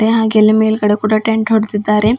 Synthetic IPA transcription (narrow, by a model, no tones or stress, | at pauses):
ɾeɦãːɡelːimelkɐɽekuːɽaʈeɳʈɦoɽd̪id̪ːaːɾe